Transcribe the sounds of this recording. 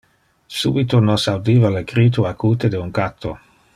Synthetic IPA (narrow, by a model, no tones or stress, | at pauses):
sṵbit̪onosawd̪iːvaleɡɾiːt̪̬uakuːt̪ed̪euŋkat̪ʰːo̰